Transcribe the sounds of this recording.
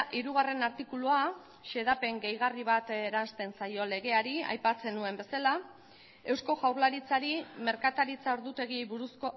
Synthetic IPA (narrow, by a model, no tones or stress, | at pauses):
ʔiɾuɣ̞are̞naɾt̪ikulua | ʃe̞ð̞ape̞ŋɡe̞jɣ̞ariβat̪eɾanst̪e̞nsajo̞le̞ɣe̞aɾia̰jpat͡se̞nue̞mbe̞sala | e̞wsko̞ʝawɾlaɾit͡saɾime̞ɾkat̪aɾit͡saoɾðut̪e̞ɣ̞iejβuɾusko̞